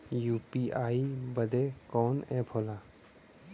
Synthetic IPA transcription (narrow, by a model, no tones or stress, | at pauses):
juːpiaːibəd̪ekɔːnɛ̃ːpʰoːlaː